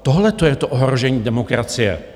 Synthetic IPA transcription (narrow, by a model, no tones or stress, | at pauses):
t̪oɦlɛt̪ojɛt̪oʔoɦɾoʒɛɲiːdɛmokɾat͡sɪjɛ̰